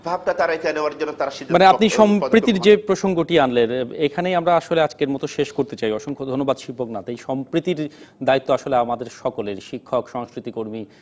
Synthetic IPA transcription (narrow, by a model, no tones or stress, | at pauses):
bʱab̚ʈat̪aɾaek̪eneoaɾd͡ʑonːot̪aɾaʃid̪ʱmaneapniʃɔmpɾit̪iɾd͡ʑepɾoʃoŋɡoʈianlenekʰanejamɾaaʃolead͡ʑkeɾmɔt̪oʃeʃkoɾt̪et͡ɕajɔʃoŋkʰod̪ʱonːobad̪ʃipoknat̪ejʃɔmpɾit̪iɾd̪ait̪ːoaʃoleamad̪eɾʃɔkoleɾʃikʰːokʃɔŋskɾit̪ikoɾmi